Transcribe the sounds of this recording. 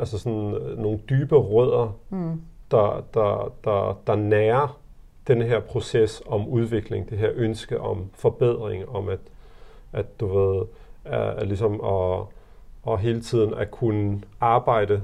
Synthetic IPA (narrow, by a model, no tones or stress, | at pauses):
ælsəsɒ̽nno̝ːn̩d̥yːb̥əʁœð̰ˠɐ | d̥ɑ̈d̥ɑd̥ɑd̥ɑ̈næːɐ | d̥enəɦe̝ɐ̰pʰʁo̝sesɒ̽muð̞ˠʋe̝ɡ̥le̝ŋd̥e̝ɦeɐ̰ʔønsɡ̥əʔɒ̽mfɒ̽b̥eð̞̰ˠʁeŋɒ̽mæ̥ | æ̥d̥uʋe̝ð̞ˠælisɒ̽mɒ | ɒɦe̝ːlət͡sʰið̰ˠn̩æɐkʰunəɑ̈ːb̥ɑ̈ɪ̰d̥ə